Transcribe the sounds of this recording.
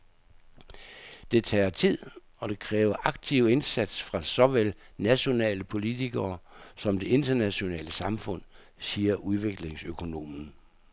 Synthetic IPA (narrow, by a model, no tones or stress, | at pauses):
d̥e̝t͡sʰɛ̰ːt͡sʰið̰ˠ | ɒ̽d̥e̝kʰʁɛːʊɐʔɑ̈ɡ̥t͡sʰiʊ̰e̝nsæd̥sfʁɑ̈sɒ̽ʋelnæɕo̝nɛ̰ːləpʰo̝lit͡sʰiɡ̥ɐːsɒ̽md̥e̝e̝nd̥ɐnæɕo̝nɛ̰ːləsɑ̈mfɔ̽n̰ | siːɐʔuð̞ˠʋe̝ɡ̥le̝ŋsøkʰo̝no̝̰ːmn̩